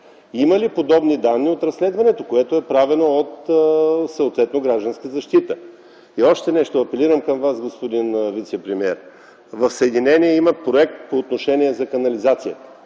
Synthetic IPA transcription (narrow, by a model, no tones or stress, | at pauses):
iməlipod̪ɔbnid̪anːiot̪ɾɐsːlɛd̪vɐnɛt̪okoɛt̪oɛpɾavɛnoot̪ | sɐot̪vɛt̪noɡɾaʒd̪ənskəzɐʃt̪it̪ə | iɔʃt̪ɛnɛʃt̪oɐpɛliɾəmkɐmvasɡospod̪invit̪sɛpɾɛmiɛɾ | vɐfsəɛd̪inɛniɛimɐpɾoɛk̚t̪̚poːt̪noʃɛniɛzɐkɐnɐlizat̪sijə